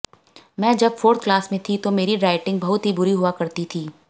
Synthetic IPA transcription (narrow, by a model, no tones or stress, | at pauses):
mɛ̃ːd͡ʒɐbfoːɾt̪̚ʰklaːsmẽt̪ʰit̪omeːɾiɾaːɪʈɪ̃ŋɡ̚bɐɦʊt̪ɦibʊɾiɦʊakɐɾt̪it̪ʰiː